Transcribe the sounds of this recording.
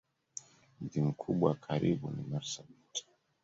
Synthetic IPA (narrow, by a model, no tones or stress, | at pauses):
m̩dim̩kʰuɓwakʰaɾiɓṵnḭmaɾsabiti̥